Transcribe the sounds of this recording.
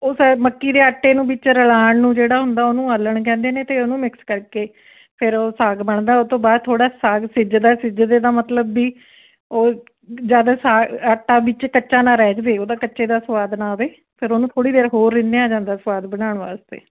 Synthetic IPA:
oːsməkːiːd̪eːaʈːeːnũːbɪt͡ʃɾəlaːɳnũːd͡ʒeːɽaːɦʊnd̪aːoːnũːəlːəɳkɛ̃ːnd̪eːneːt̪eːoːnũːmɪkskəɾkeː | pʰɪɾoːsaːɡbəɳd̪aːʊt̪õːbaːd̪̚t̪ʰːoːɽaːsaːɡsɪd͡ʒd̪aːsɪd͡ʒd̪eːd̪aːmət̪ləbːiː | oː | d͡ʒjaːd̪aːsaːaːʈːaːbɪt͡ʃkəːʃaːnaːɾɛːd͡ʒd̪eːoːd̪aːkət͡ʃːʃeːd̪aːsʋaːd̪naːʋeː | pʰɪɾoːnũːt̪ʰoːɽiːd̪eːɾɦoːɾːɪnd̪eaːd͡ʒãːnd̪aːsʋaːd̪bəɽ̃aːɳʋaːst̪ḛː

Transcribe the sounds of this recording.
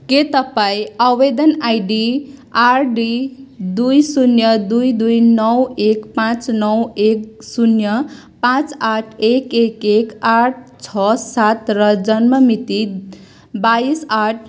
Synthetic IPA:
ket̪ʌpaĩawbed̪ʌnajɖiarɖid̪ujsunjʌd̪ujd̪ujnʌwekpãt͡snʌweksunjʌ | pãt͡saʈʰekekekaʈ̚ʰt͡sʰʌsat̪rʌd͡zʌnmʌmit̪i | baisaʈʰ

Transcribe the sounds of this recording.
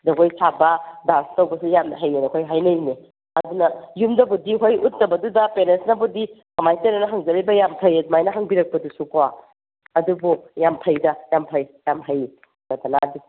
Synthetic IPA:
dɐkʰojsʰabɐdastɐwbɐsujamɐɦɐjenɐkʰojɦajnɐjne | ɐdunɐjumdɐbudiɦojut̚ːɐbɐdudɐpenensnɐbudikɐmajtenɐnɐɦaŋzɐɾɐjbɐjampʰɐjdmajnɐɦaŋbiɾɐk̚pɐdusukowa | ɐdubujampʰɐjdɐjampʰɐjjamɦɐj | nɐtanadi

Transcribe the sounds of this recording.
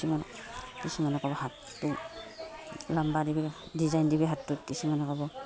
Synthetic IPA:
sumankisumanɛkɔbɔhatːu | lambadibɛdizajndibɛɦatːutkisumanɛkɔbɔ

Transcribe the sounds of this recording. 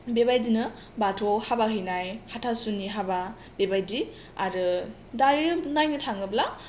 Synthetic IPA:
bebajdinɯ | batʰohabaɦɯjnajhatʰasunːiɦaba | bebajdi | aɾɯ | dajɾɯnajnɯtʰaŋɯbla

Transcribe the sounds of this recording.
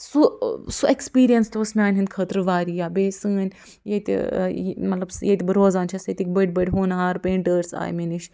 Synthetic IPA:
susuekspiːɾijɐnst̪oːsmʲaːnʲɦɐnd̪ʲkʰəːt̪ɾɨʋaːɾiːjaːbeːsɨ̃ːnʲ | jet̪mɐt̪lɐbsjet̪ibɐɾoːzaːnt͡ʃʰɐsɐt̪ikbəɖ̚bəɐɖʲɦoːnɦaːɾpẽːɳʈəːɾsa̰ːj̰meniʃ

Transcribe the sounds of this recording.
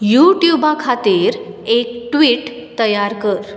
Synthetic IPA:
juʈjubakʰat̪iɾ | ek̚ʈʋiːʈ | t̪əjaɾkəɾ

